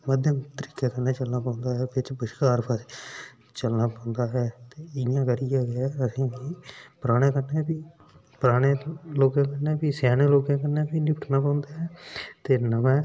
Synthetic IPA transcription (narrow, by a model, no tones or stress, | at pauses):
məd̪ʱjəmt̪əɾiːkeːkəneːt͡ʃəlnaːpãːnd̪aːɦɛːbɪt͡ʃbəʃkaːɾpʰaːse | t͡ʃəlnaːpãːnd̪aːɦɛːt̪eːɪjãːkəɾijaːɡəsĩːkiːpɾaːɽ̃ẽːkəɾneːpiː | pɾaːɽeːloːkãːkəneːpiːsɛːneːloːkãːkəɾneːpiːnɪpəʈʰnaːpãːʊ̃nd̪aːɦɛːt̪eːnəʋɛ̃ː